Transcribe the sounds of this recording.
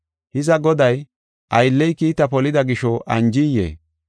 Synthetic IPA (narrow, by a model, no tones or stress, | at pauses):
hɪzɐɡɔd̪ɐj | ʔɐjlːɛjkiːt̪ɐpɔlɪd̪ɐɡɪʃɔʔɐnd͡ʒɪjḛː